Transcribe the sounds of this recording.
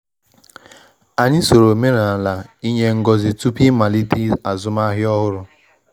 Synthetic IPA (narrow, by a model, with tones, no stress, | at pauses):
a˨ɲɪ˦so˨ɾo˨me˦ɾa˨a˨la˨i˦ɲe˦ŋ̩˦ɡɔ˨zɪ˨tu˦pi˦ma˨li˦ti˦a˨zʊ˦ma˦ɦɪ˦ɔ˦ɦʊ˦ɾʊ˨